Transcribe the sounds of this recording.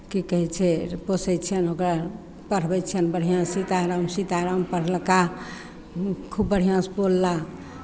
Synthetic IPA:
kikəɦɛt͡ʃʰɛposɛt͡ʃʰənokɾa | pəɾ̤bɛt͡ʃʰənbəɾ̤ijãsit̪aɾəmsit̪aɾəmpəɽ̤lka | kʰubːəɾ̤ijãspolːa

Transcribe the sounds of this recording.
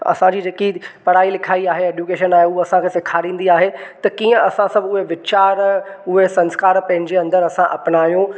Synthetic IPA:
ɐ̰sãd͡ʑiːd͡ʑeːkipɐɽ̤aːilɪkʰaːiaːɦeeːɖjukeːʃənaːɦeʊɐsãkʰeːsɪkʰaːɾĩːn̆d̪iaːɦet̪ɐkiːə̃ɐsãsɐbʊɦeʋɪt͡ɕaːɾʊɦesɐ̃nskaːɾpɐ̃ɦɪ̃ɲ̆d͡ʑeɐ̃nd̪əɾɐsãʔɐpnaːjũ

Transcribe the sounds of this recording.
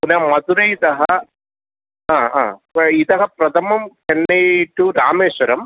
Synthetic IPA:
punɐːmɐd̪uɾɐit̪ɐɦɐ | aːã̰ːit̪ɐɦɐpɾɐd̪ʰʱɐmɐmkɐnːejʈːuɾaːmeːʂwɐɾɐm

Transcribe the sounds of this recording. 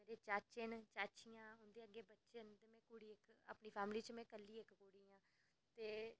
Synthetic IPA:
meːɾeːt͡ʃaːt͡ʃɪnt͡ʃaːt͡ʃijãːʊnd̪eːəɡːeːbətːʃənt̪eːmɛ̃ːkʊɽiːɪkə̰pɳiːpʰɛːmliːt͡ʃmɛ̃ːkəlːiːɪkkuːɽiːãː | t̪eː

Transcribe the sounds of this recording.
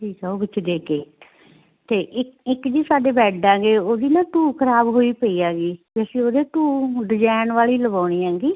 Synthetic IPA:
d͡ʒiːsəːkʊt͡ʃʰd̪eːkeː | t̪eːʔɪɪkd͡ʒiːsaːɖeːbɛːɖãːɡeːoːd̪iːnãːʈuːkʰəɾaːbɦoːiːpəiːaːɡiːbɛːseːoːd̪eːʈuːɖ̪ɪd͡ʒɛːnʋaːliːləbaːɽ̃iːãːŋɡiː

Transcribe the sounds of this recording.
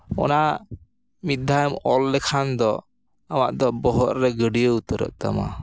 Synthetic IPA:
ɔ̰na | mit̪̚d̪ʱajmɔlːɛkʰand̪ɔ | amaʔd̪ɔbɔɦɔt̪̚ɾɛɡəɖijəut̪əɾə̰ʔt̪a̰ma̰

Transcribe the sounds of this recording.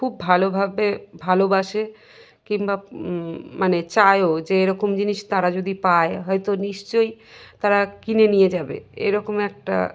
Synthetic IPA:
kʰubːʱalobʱabebʱalobaʃe | kiŋba | manet͡ɕaeod͡ʑeeɾɔkomd͡ʑiniʃt̪aɾad͡ʑod̪ipaeɦɔjt̪oniʃt͡ɕoj | t̪aɾakinenijed͡ʑabḛḛɾɔkomɛk̚ʈa̰

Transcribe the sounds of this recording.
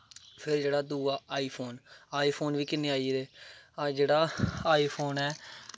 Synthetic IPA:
pʰɪɾd͡ʒeːɽaːd̪uːaːaːiːpʰoːnaːiːpʰoːnʋiːkɪneːaːiːd̪eːad͡ʒeːɽaːaːiːpʰoːnɛː

